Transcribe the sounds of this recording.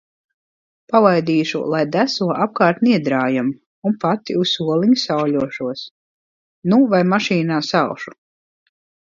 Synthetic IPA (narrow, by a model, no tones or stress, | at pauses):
pavajd̪iːʃṵlˠajd̪æsuɔʔap̚kaːɾt̪niɛd̪ɾaːjam | unpat̪iusuɔlˠiɲsawʎʲuɔʃuɔs | nuvajmaʃiːnaːsawʃu̥